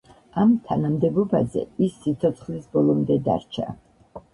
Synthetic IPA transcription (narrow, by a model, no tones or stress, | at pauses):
amt̪ʰanamd̪ɛbɔba̰zɛ̰isːit̪sʰɔt̪sʰχlisbɔlˠɔmd̪ɛd̪a̰ɾt͡ʃʰa̰